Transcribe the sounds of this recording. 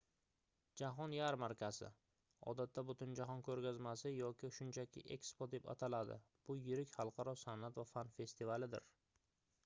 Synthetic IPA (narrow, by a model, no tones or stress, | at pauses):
d͡ʒaɦɒnjaɾmaɾkʲʰasɪ̰ | ɒ̰d̪at̪ʰːabʊt̪ʰɪnd͡ʒaɦɒnkʰɵɾɡʲazmasɪjɒkʲɪʃʊnt͡ʃʰakʲʰɪ̰ʔe̞kspod̪e̞pa̰t̪ʰalad̪ɪ̰ | b̥ʊjɪɾɪkʲhɑlˠqʰɑɾɒsanat̪vafanfe̞st̪ʰɪvalɪd̪ɪ̰ɾ